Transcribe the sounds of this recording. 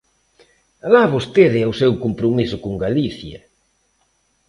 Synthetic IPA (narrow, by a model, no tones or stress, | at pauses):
alaβost̪eðɪawsewkompɾomisʊkoŋɡaliθjɐ̰